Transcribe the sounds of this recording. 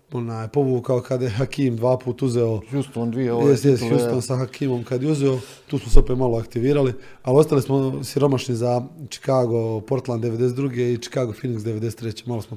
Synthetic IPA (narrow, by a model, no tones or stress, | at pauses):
o̞naːjpo̞ʋuːkaokad̪jeɦakiːmd̪ʋaːpuːt̪uzeoust̪ond̪ʋijest̪jesjustoːnsaɦakʰiːmo̞mkad̪jeuzeo | t̪uːsmosopeːmaloakt̪iʋiːɾali | alio̞st̪alismo̞siɾo̞maʃnizat͡ʃi̥kaːɡo̞po̞ɾt̪land̪e̞ʋe̞d̪eset̪d̪ɾuɡeit͡ʃi̥kaːɡofiniksd̪eʋed̪eset̪ɾet͡ɕeːmalosmo